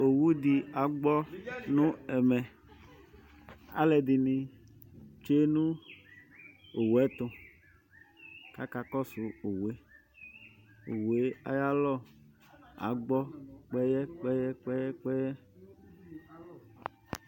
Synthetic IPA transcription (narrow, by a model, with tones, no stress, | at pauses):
o˨wu˦di˨a˨ɡ͡bɔ˦nũ˦ɛ˨mɛ˨ | a̰˦lɛ˨di˨nĩ˨ | t͡ʃe˦nũ˦ | o˨wɛ˨˦t̪ʊ̃˧ | ka˦ka˨kɔ˦su˨o˨we˦ | o̰˨we˦a̰˦ja˦lɔ˦˨ | a̰˨ɡ͡bɔ˦k͡pɛ˦jɛ˦k͡pɛ˦jɛ˦k͡pɛ˦jɛ˦k͡pɛ˦jɛ˦